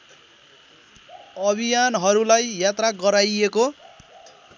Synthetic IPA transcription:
ʌbʱijanɦʌɾulajjat̪raɡʌɾajeko

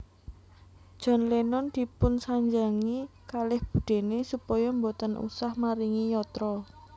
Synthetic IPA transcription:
d̥ʒ̥ɔ̤nlenɔnd̪̥i̤pʊnsaɲd͡ʒaŋikalɪhb̥ṳd̪̥e̤nesupɔjɔmbot̪ənʔṵsahmaɾiŋijɔt̪ɾɔ

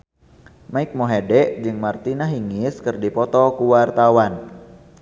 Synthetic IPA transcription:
maɪk̚moɦedɛʔd͡ʒɨŋmart̪inaɦiŋɪskɨrdipɔt̪ɔkuwart̪awan

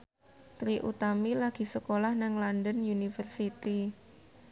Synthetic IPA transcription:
t̪ɾiʔṵt̪amilaɡ̥i̤səkolahnɪŋlandənjunifərsit̪i

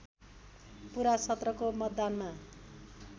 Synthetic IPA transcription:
puɾasʌt̪rʌkomʌd̪ːanma

